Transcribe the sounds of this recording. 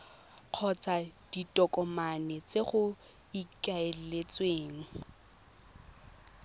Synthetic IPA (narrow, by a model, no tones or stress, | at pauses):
q͡χʰɔt͡sʼad̥itʼɔkʼɔmanɛt͡sʼeχʊ | ikʼaellet͡sʼweːŋ̩